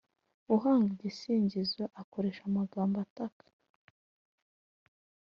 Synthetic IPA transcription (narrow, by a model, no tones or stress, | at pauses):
uɦaːŋɡaɟisiːɲɟizwaʔako̞ɾeʃamaɡaːmbatakḁ